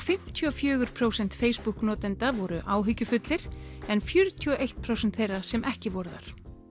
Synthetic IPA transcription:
fɪm̥t̪ʰiɔfjœːɣʏɾ̥pʰɾowsɛnt̪feːjspuhknɔːt̪ɛnt̪avɔɾʏʔaːwɦʏcːʏfʏt̪lɪɾ̥ɛnfjʏɾʏt̪ʰiɔʔejht̪̚pʰɾowsɛnt̪θejrːasɛmʔɛhcɪvɔɾða̰ɾ̥

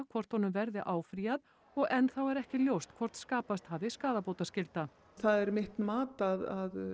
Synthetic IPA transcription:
kʰvɔr̥t̪hɔnːʏmvɛɾðɪʔaːwfɾiːað | ɔɣʔɛnθawɛɾɛhcɪljowst̪kʰvɔɾ̥t̪skaːpast̪havðɪskaːðapoːwt̪ascɪlt̪a | θaðɛɾmɪht̪nmaːt̪aðað

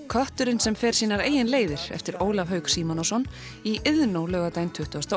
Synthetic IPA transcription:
kʰœht̪ʏɾɪnsɛmfɛːɾ̥siːnaɾeːjɪnleːjðɪɾ̥ɛ̰ft̪ɪɾoːwlavɦœːɥksiːmɔnɔsɔn | iʔɪðnowlœːɣat̪aːjnt̪ʰʏht̪ʏast̪a

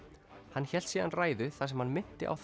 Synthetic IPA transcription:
hanːçɛl̥t̪sjiːðanraːjðʏθasɛmhanmɪn̥t̪ɪ̰ʔa̰wθ

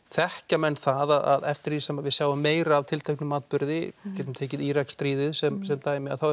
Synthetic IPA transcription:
θɛhcamɛnːθaðaða̰ðɛft̪ɪɾðisɛmːavɪðsjaːwvʏmːeːjɾaːvt̪ʰɪlt̪ʰehknʏmːaːt̪̚pʏɾðɪcɛːt̪ʏmt̪ʰeːcɪðiːɾakst̪ɾiːðɪðsɛmsɛmt̪aːjɪmɪaðθaw

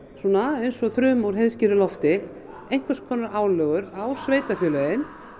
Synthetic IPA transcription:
sɔːnaejnsɔθɾʏːmawɾ̥ɦeðscɪːɾɪlɔft̪ɪ | ejŋ̥kʰvaskʰɔːnːaɾaːwlœːɣʏɾawsveːjt̪afjœːlœjɪn

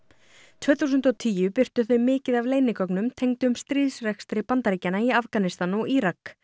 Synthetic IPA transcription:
t̪ʰvɛːθuːs̬ʏnt̪ɔt̪ʰiːjʏpɪr̥t̪ʏθœɥmɪːcɪðavleːjnɪkɔknʏmt̪ʰejŋt̪ɪʏmst̪ɾiːðsrɛxst̪ɾɪpant̪aɾiːcanaiafkanɪst̪anɔɣiɾak

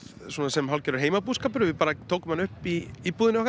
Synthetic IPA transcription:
swɔnasɛmɦalcɛɾʏɾɦeːjmapuːðskaːp̬ʏɾʏvɪpaːɾat̪ʰoːwkʏmhanʏhpiːpuːðɪnɔhk

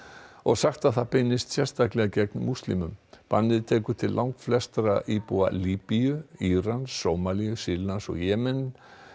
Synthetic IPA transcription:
ɔɣsaxt̪aðθaðpɪnːɪst̪sjɛr̥st̪aklɛɣacɛknmust̪lḭmʏmpa̰nːɪðt̪ʰɛːkʏt̪ʰɪllːʔawŋkflɛst̪ɾaʔiːpua̰liːpiʏiːɾanssoːwmaliʏsiɾlansɔ̰ɣjɛːmɛn

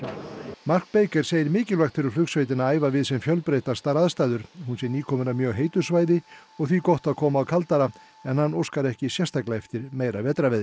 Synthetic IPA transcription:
mar̥k̚peːjkɛɾ̥seːjɪɾmɪːcɪlvaxt̪fʰɪɾʏɾ̥flʏksvejt̪ɪnaaːjvavɪðsɛmfjœlpɾeːjt̪ḁst̪aɾaðst̪ajðʏɾ̥hunsɛniːkʰɔːmʏɾamjœːɣɦeːjt̪ʏ̥svaːjðɪɔɣθvikɔht̪aðkʰɔːmaːwkʰalt̪aɾa | ɛnhanːowskaɾɛhcɪsjɛst̪ʰajklajɛft̪ɪɾmeːjɾavɛːt̪ɾavɛðɪ

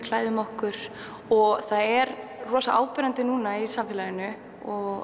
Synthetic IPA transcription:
kʰl̥aːjðʏmɔhkʏɾ̥ | ɔɣθaðɛɾrɔːsaʔa̰ːwpɪɾant̪ɪnuːnaisamfːlajɪnʏ | ɔɣ

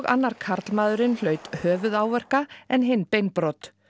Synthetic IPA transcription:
ɣa̰nːaɾ̥kʰaɾt̪lmaːðʏɾɪnl̥œɥt̪hœːvʏðaːwvɛr̥kaɛnɦɪjnpejnpɾɔt̪

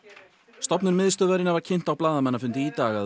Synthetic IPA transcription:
st̪ɔpnʏnmɪðst̪œvaɾɪnavaɾ̥cʰɪn̥t̪awplaːðamɛnːafʏnt̪ɪit̪aːɣa

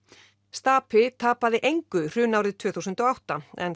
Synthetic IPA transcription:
st̪aːpʰɪt̪ʰaːpaðɪʔejŋkʏr̥ʏːnaːwɾɪðt̪ʰv̥œːθusʏnt̪ɔawht̪aɛ̰n

